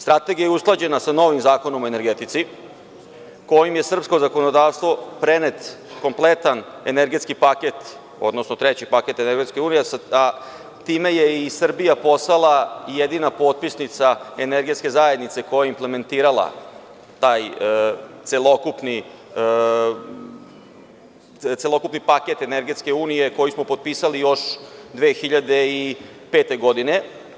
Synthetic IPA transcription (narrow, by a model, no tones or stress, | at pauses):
st̪ɾat̪e̞ɡijajeusklˠad͡ʑe̞nasano̞ʋimzaːko̞nomoe̞neɾɡet̪it̪si | ko̞jimje̞sr̩psko̞zako̞nod̪aːʋst̪ʋo̞pɾenet̪ko̞mplet̪aneneɾɡet̪skipaket̪ | o̞̰d̪no̞snot̪ɾet͡ɕipake̞t̪eneɾɡet̪skeuːnijesa | t̪ime̞jeisr̩bijapo̞salˠaijed̪inapo̞ːt̪̚pisnit̪saeneɾɡe̞t̪ske̞zajed̪nit̪se̞ko̞jaimpleme̞nt̪iːɾalˠa̰ | t̪aːj | t̪selo̞kupni | t̪selˠo̞kupnipaket̪eneɾɡet̪ske̞uːnije̞ko̞jismo̞pot̪̚piːsalijo̞ʃd̪ʋeːxiʎad̪eipeːt̪e̞ɡo̞d̪ine̞